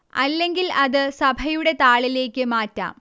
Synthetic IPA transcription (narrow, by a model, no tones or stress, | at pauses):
ɐlːe̞ŋɡilɐðɨsɐbʱɐjuɽe̞t̪aːɭile̞ːkːɨmaːtːa̰ːm